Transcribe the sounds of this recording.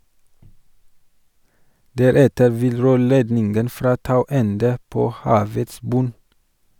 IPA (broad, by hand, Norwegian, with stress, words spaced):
ˈdæɾɛtəɾ ˈʋɪl ˈɾøːɭeːdnɪnɡən ˈfɾɑː ˈtɑʉ ˈɛndə ˈpoː ˈhɑːʋəts ˈbʉn